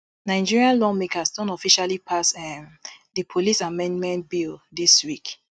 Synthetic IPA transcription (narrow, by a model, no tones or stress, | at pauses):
naɪ̃d͡ʒiɹiãnlɔmekasdɔ̃nɔfiʃalipʰasɛmdəpʰolisamɛ̃ndmɛ̃nt̚bildiswik